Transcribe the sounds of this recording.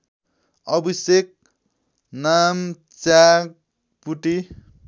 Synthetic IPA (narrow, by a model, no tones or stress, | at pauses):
ʌbisek̚ | nam | t͡sak̚ | puʈi